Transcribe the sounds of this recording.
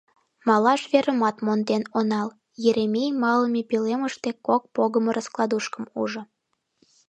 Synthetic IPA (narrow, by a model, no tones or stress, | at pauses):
mɑlɑʃβeɾəmɑt̪mond̪enonɑl | jeɾemʲejmɑləmepileməʃt̪ekok̚poɣəməɾəsklˠɑd̪uʃkəmṵʒə̆